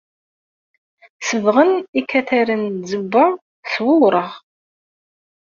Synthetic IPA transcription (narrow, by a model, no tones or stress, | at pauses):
səvʁənikʰːæθæɾənzəbːa | swʊɾˤəʁ